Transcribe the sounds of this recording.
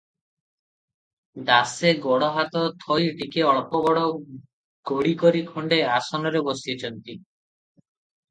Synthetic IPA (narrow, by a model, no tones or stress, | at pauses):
d̪aseɡɔɽɔɦat̪ɔt̪ʰɔjʈikeɔɭpɔbɔɽɔ | ɡ̥oɽikɔɾikʰoɳɖeasɔnɔɾebɔsiet͡ʃʰɔnt̪i